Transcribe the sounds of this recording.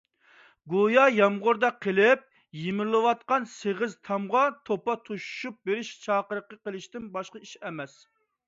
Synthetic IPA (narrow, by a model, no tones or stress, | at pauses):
ɡojɑjɑmʁʊɾd̪ɑqʰəlɪp̚ | jimɪɾlˠɨwɑt̪̚qɑnseʁɪzt̪ʰɑmʁɑt̪ʰopɑt̪ʰuʃu̥ʃup̚beɾɪʃt͡ʃʰɑːqəɾəqːəqəlˠɪʃt̪ɪnbɑʃqɑiʃɛmɛs